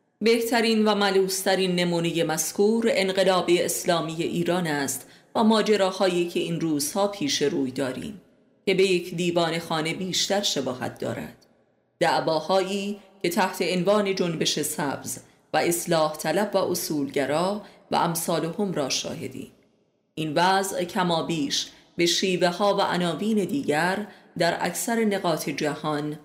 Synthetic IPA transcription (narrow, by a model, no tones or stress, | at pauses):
be̞ht̪ʰæɾiːnvæmæluːst̪ʰæɾiːnːe̞muːneje̞mæskʰuːɾe̞nɢe̞lɒːbeeslɒːmiːje̞ʔiːɾɒːnæːst̪ | væmɒːd͡ʒe̞ɾɒːhɒːjiːcʰe̞inruːz̥hɒːpʰiːʃe̞ɾuːjd̪ɒːɾḭːm | ce̞be̞je̞cʰd̪iːvɒːne̞xɒːne̞biːʃt̪æɾʃebɒːhæ̰t̪̚d̪ɒ̰ːɾæ̰d̪̥ | d̪̥æʔbɒːhɒːiːcʰe̞t̪ʰæht̪ʰe̞envɒːne̞d͡ʒonbe̞ʃe̞sæbz | væe̞slɒːht̪ʰælæbvæʔosuːlɟæɾɒːvæ̰ʔæmsɒːlohomɾɒːʃɒ̰ːɦe̞̰d̪ḭːn | ʔinvæzʔcʰæmɒːbiːʃ | be̞ʃiːvehɒːvæʔænɒːviːne̞d̪iːɟæɾ | d̪æɾʔæ̰cʰsæɾene̞ɣɒːt̪ʰe̞d͡ʒæhɒn